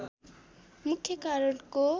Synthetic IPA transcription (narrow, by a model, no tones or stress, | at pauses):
mukʰjʌkaɾɔɽko